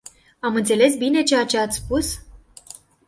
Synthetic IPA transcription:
amɨnt̪se̞le̞s̬bine̞t͡ʃe̞jat͡ʃe̞at̪sʲspus

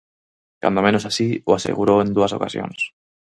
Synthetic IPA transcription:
ka̰nd̪omẽnosasioasḛɣuɾoẽnd̪uaso̞̰kasjo̰ns

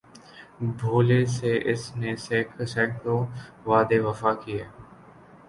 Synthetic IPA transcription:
bʱoːleseʔɪsneseːkʰsɛːkt̪õ | ʋaːd̪eʋəfaːkiɛː

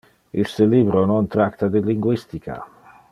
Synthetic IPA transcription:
iseliːbɾonont̪ɾakt̪ad̪iliŋɡwist̪ikʰa̰

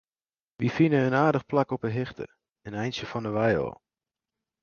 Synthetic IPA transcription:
ʋifinəənaːdəχplakɔpəɦɪxtə̰ | ənɛjnsjəfɔnəʋɛjɔ̰lˠ

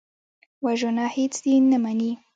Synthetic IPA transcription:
waʒonɑhet͡sd̪inamani

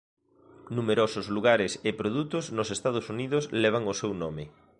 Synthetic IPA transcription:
numeɾosʊzluɣ̞aɾɪsɪpɾoðut̪ʊznosest̪að̞osuniðʊslɛβ̞aŋosewnɔmɪ

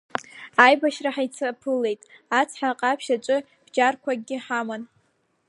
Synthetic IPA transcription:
ajbaʃraħajt͡sʰapʰɨlːe̞jtʼat͡sʰħaqʼapʰʃat͡ʃʷʼɨ | b̥d͡ʒarkʷʰaɡ̚ʲɪħaman

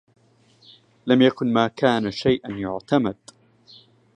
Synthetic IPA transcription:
lamjakʊnmaːkaːnaʃajʔanjʊʕt̪amad̪̥

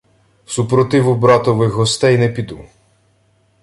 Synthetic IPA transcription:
supɾɔt̪ɪʋʊbɾɑt̪ɔʋɪxɦɔst̪ɛjnɛpʲid̪u

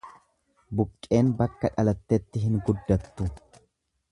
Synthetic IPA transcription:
bʊkʼːe̞ːnbɐkːɐᶑɐlɐt̪ːɛt̪ːɪɦɪŋɡʊd̪ːɐt̪ːʊ

